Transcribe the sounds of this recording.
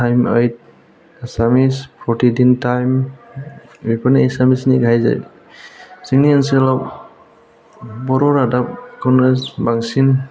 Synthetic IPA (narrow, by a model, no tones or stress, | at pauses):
tʰajməjt̚ | asamispʰɔtidintajm | bipʰɔniɛsamisniɡʱajza̰j | siŋnianselɔp̚ | bɔɾɔɾadap̚kʰɔnɾesbaŋsin